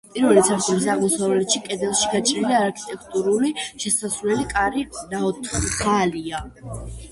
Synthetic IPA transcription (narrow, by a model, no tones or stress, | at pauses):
pʼiɾvɛlit̪sʰaɾt̪ʼɔmisaʁmɔsavlɛt̪ʃikʼɛd̪ɛlˠʃi̥ɡat͡ʃʼɾiliaɾkʰi̥t̪ʼɛkʰt̪ʼuɾuliʃɛsasvlɛlikʼaɾinaɔt̪ʰχχʰalia